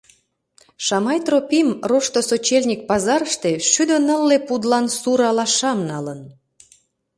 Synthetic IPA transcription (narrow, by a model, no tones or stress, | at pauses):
ʃɑmɑjt̪ropʲimroʃt̪osot͡ɕelʲnʲik̚pɑzɑɾəʃt̪eʃyd̪ønəlːepud̪lɑnsuɾɑlɑʃɑmnɑlən